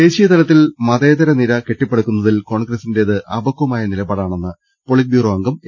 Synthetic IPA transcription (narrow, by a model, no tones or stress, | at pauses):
e̞ːɕijɐt̪ɐlɐt̪̬ːilmɐðeːðɐɾɐniɾɐkeʈːipːeɽukːunːɐðilko̞ːɳɡrɐsinde̞ɐðɨʔɐ̰bɐkːɐmaːjɐnilɐbaːɽaːɳe̞nːɨ | poɭit̪̚bjuːrɐʋɐŋɡɐm